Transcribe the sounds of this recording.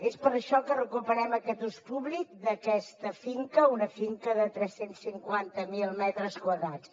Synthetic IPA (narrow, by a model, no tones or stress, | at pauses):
espəɾəʃɔkərəkupəɾɛməkɛt̪uspuβlik̚d̪əkɛst̪əfiŋkəunəfiŋkəðət̪ɾɛsensːiŋkwant̪əmilˠmɛt̪ɾəskwəðɾat͡s